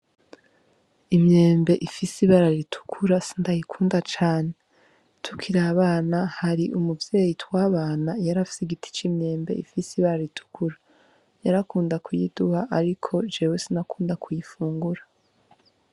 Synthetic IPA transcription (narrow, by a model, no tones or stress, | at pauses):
imɲe̞ːmbe̞ʔifisiβaɾaɾitʰu̥kʰuɾasi̥ndajikʰuːndat͡ʃaːne | tʰu̥kʰiɾaβaːnahaɾiʔumuvje̞ːjitwaːβaːnajaɾafi̥siɡitʰi̥t͡ʃimɲe̞ːmbe̞̰ifisiβaɾaɾitʰu̥kuɾa | jaɾakuːndakʰujḭduhaʔaɾikʰo̞d͡ʒewesinakʰuːndakʰujifuːŋɡuɾa